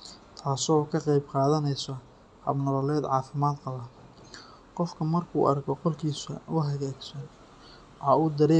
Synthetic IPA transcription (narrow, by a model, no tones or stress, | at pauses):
t̪ʰaːsɔːkʰɐqɑjbqɑːðɐnɛjsɔ | hɐ̰bnɐɾɔlɛːd̪ʕɑːfɪmaːd̪qɑlɐ | qɔfkʰɐmɐrkʰṵːʔɐ̰rkʰɔqɔlkʰiːsɐ̰ʊɦɐɣɛːɡsɐ | wħɑːuːd̪ɐɾɛː